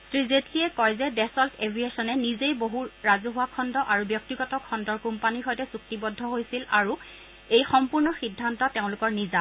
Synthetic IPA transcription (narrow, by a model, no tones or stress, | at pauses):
tɹizetliɛkɔjzɛdɛsɔltʰeviesɔnɛnizejboɦuɹazuɦʊwakʰɔndɔʔaɹubjɔk̚tiɡɔtɔkʰɔndɔɹkumpaniɹxɔjtɛsuk̚tibɔdʱːɔɦojsilaɹu | ejxɔmpuɹnɔxidʱːantɔteʊ̃lʊkɔɹniza